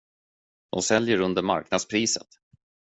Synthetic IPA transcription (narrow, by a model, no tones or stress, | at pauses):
d̪̥ɔ̰nsɛljəɾɵnd̪əɾma̰ɾknad̪spʰɾiːsət̪